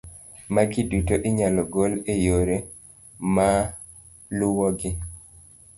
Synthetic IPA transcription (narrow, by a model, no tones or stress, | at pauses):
maɡɪdutoʔɪɲalɔɡolejoɾe | ma | lʊwɔɡɪ